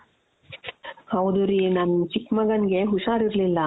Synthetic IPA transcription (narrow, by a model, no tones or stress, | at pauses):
hɐwd̪uɾinɐnt͡ʃikmɐɡɐnɡe̞ɦuʂaːɾiɾlilːɐ